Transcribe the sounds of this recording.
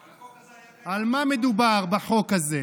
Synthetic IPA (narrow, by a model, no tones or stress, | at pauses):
almamed̪ubaʁbaħo̞kaze